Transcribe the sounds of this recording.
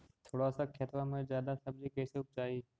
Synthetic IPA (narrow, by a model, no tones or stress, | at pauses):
t̪ʰoːɽasakʰeːt̪ɾãmẽzjaːd̪asɐb̚d͡ʑikeːseʊp̚t͡ʃaːiː